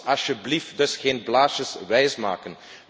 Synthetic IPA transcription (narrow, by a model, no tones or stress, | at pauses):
ɑsjəblifdɵsχeːnblaːsəsʋɛjsma̰ːkən